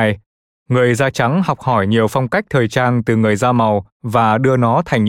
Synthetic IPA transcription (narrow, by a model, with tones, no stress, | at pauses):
j | ŋɨ˨˩əjzaː˧t͡ɕa˨˦ŋɦɔ˨˩wk͡p̚hɔ˧˩jɲi˨˩əwfɔ˧wŋ͡mka˦˥jk̚t̪ʰəː˨˩jt͡ɕaː˧nt̪ɨ˨˩ŋɨ˨˩əjzaː˧ma˨˩w | vaː˨˩ɗɨ˧ənɔ˨˦t̪ʰa˨˩jŋ̟